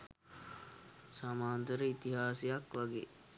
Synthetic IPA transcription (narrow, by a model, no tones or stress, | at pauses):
samaːnt̪əɾəit̪iɦaːsijakʋaɡḛː